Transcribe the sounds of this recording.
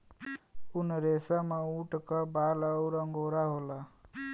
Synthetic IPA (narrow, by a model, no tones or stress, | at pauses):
ʊnəɾeːsamãũːʈkabaːləʊɾəŋɡoːɾaɦoːlaː